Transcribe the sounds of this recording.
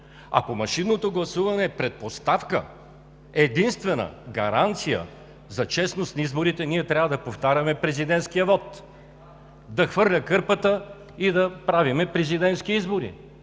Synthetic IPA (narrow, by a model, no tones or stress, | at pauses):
ɐ̰pomɐʃinːot̪oɡlˠɐsuvɐnɛpɾɛt̪̚post̪afkə̰ | ɛd̪inst̪vɛnə̰ɡɐ̰ɾant̪sijə̰ | zɐt͡ʃɛsnost̪nɐizboɾit̪ɛniɛt̪ɾʲavəd̪ɐpoft̪aɾʲɐmɛpɾɛzid̪ɛnt̪skijəvɔt̪ | d̪ɐxvɤɾlʲəkɤɾpət̪ə | id̪ɐpɾavimɛpɾɛzid̪ɛnt̪skiizboɾḭ